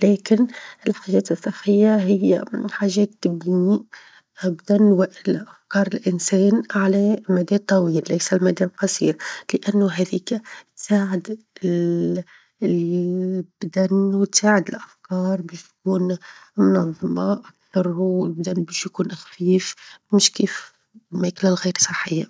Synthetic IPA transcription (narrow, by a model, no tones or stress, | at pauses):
lɛːkɪnɪlħaʒɛːt̪ɨsˤːɑħːəjːaɦɪj̰ːħaːʒɛːt̪ːɪbni | ʔabd̪ænwɪʔlʔafkɑːɾˤɪlʔɪnsɛːnʕalæmæd̪ɛːt̪ˤːɑwiːlːæjsælmæd̪ɛːblqɑsḭːɾlɪʔænːʊɦæðiːkatt̪saːʕɪd̪ | b̥d̪ænwt̪saːʕɪd̪ɪlʔafkɑːɾˤbɛːʃt̪kuːnmʊnɑðˤːɑmɑʔakt̪ɑɾˤhuɪlbd̪ænːbɛːʃjkuːnʔɪxfiːfmɪʃkiːf | mæklalɣiːɾsˤɑħːɪjːa